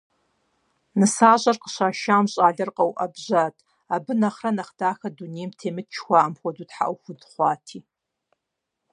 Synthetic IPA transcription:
nɨsaːʑʼɐrqə̥ɕaːʃaːmɕʼaːɮɐrqʼɐwʔɐbʑaːtʰʼ | abɨnɐχrɐnɐχd̥aːxɐdunejmtʰeːmɨt̚t͡ʃʰxʷaːɐmxʷɔduːtħa̰ʔʷwxʷʊdχʷɑːtʰiː

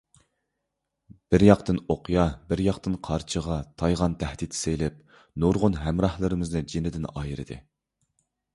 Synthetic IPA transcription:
b̥ɪɾjɑqt̪ɨnoqʰjɑbɪɾjɑqt̪ɨnqʰɑɾt͡ʃʰəʁɑt̪ʰɑjʁɑnt̪ʰæhd̪it̪ʰsejlɪp̚ | noɾʁʊnɦɛmɾɑhlˠɨɾɨmɪznɨd͡ʒinɪd̪ɪnɑːjɨɾɨ̰d̪ɨ̰

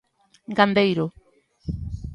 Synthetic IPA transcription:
ɡand̪ejɾʊ

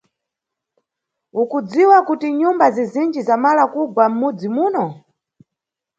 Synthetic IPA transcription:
ukud͡ziwakutiɲumbazizind͡ʒizamalakuɡwam̩mud͡zimuːnɔ

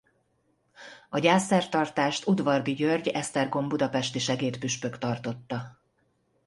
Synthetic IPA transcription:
ɒɟaːsːɛrt̪ɒrt̪aːʃt̪ud̪vɒrd̪iɟørɟɛst̪ɛrɡo̞mbud̪ɒpɛʃt̪iʃɛɡeːt̪pyʃpø̞kt̪ɒrt̪o̞t̪ːɒ

